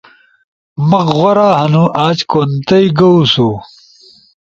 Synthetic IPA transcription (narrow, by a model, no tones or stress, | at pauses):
mɐqʁɐɾaːhɐnuʔaːt͡ɕkont̪ɐjɡɐusu